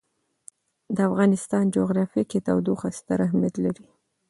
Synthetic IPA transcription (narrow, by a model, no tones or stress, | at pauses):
d̪əafɣɑnɪst̪ɑnd͡ʒoɣɾɑfiket̪awd̪oxast̪aɾaɦmjat̪laɾi